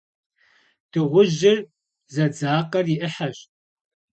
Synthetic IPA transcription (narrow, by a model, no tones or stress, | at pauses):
tʰɨʁʷʊʑɪr | zɐd͡zaːqɐrjɪʔəħaɕ